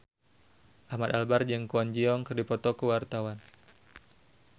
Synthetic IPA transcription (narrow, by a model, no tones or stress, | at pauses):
ʔahmad̪albard͡ʒaŋkuand͡ʒiɔŋkɨrdipɔt̪ɔkəwart̪awan